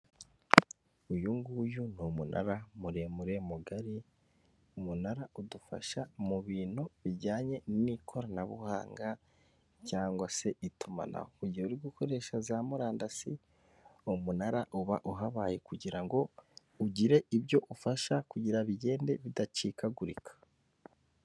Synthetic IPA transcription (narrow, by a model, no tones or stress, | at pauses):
ujuŋɡujunumunʔa̰ɾamuɾe̞muɾe̞muɡaɾi | umunaɾaʔudufa̰ʃamuβiːnoβiɟaːɲe̞nnikʰo̞ɾanaβṵha̰ːŋɡa | caːŋɡwase̞ʔituma̰na̰houɟiuɾiɡukʰo̞ɾe̞ːʃazamuɾaːndasi | umunaɾaʔuβa̰ʔuɦaβaːje̞kuɟiɾaŋɡo̞ | uɟiɾe̞ʔiβjo̞ʔufaʃakuɟiɾaβiɟe̞ːnde̞βidat͡ʃiːkaɡuɾḭkʰḁ